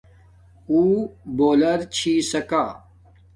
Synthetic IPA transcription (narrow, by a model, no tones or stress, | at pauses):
uːboːlɐɾt͡ɕʰiːsɐkaː